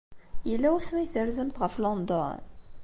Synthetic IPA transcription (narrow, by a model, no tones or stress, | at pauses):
jəlːæwsmæjθəɾzəmθʁəflond̪ɔ̰n